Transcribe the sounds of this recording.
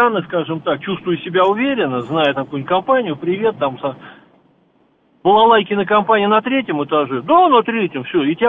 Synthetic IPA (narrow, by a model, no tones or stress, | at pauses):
anɨskaʐɨmt̪ak̚t͡ɕust̪vʊjʊsʲɪbʲaʊvʲeɾʲɪnːəznajət̪ɐkujʊnʲtʲkɐmpanʲɪjʊpɾʲɪvʲe̞t̪̚ːamsa | vɨlˠalˠajkʲɪnəkɐmpanʲɪjnɐt̪ɾʲetʲjɪmɨt̪aʐɛd̪anət̪ɾʲetʲɪmfsʲɵoɪtʲɪ